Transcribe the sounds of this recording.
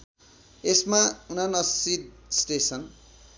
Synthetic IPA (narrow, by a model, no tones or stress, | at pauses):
esmaunanʌsid̪sʈesʰʌn